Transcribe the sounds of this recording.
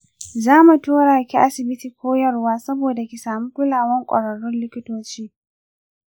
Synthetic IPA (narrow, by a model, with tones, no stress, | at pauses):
zaː˦mu˨toː˦ɽaː˨kʲi˦ʔa˦sɪ˨bɪ˦ti˨kʷʰoː˦jɐ˦rwaː˦sɐ˦boː˨da˨kʲi˨saː˨mu˦kʷʊ˦laː˨wɐ˦ŋkʷʼɐ̰˨ɽɐ˨ɽʊ˦nlɪ˦kʲɪ˦toː˦t͡ʃiː˦